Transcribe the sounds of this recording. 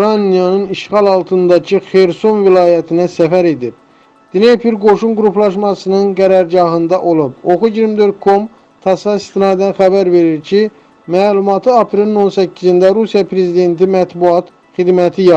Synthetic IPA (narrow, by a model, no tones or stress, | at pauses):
uɾɑnijɑnɯniʃχɑlˠɑlˠt̪ʰɯnd̪ɑcʰɯxe̞ɾso̞nvilɑːjæt̪ʰinæsæfæɾe̞d̪ib̥̚ | d̪̥inepiɾɡo̞ʃunɡuɾuplˠɑʃmɑsɯnɯnɡæɾɑɾɟɑɦɯnd̪ɑʔolˠubo̞xuɟiɾmid̪ø̞ɾt̪̚kʰo̞m | t̪ʰɑsɑist̪inɑːd̪ænxæbæɾve̞ɾiɾcʰi | mæːlumɑt̪ʰɯɑpɾelino̞nsæcʰːizind̪æɾusijɑpʰɾe̞zid̪e̞nt̪ʰimæt̪buɑt̪ | χid̪mæt̪ʰijɑ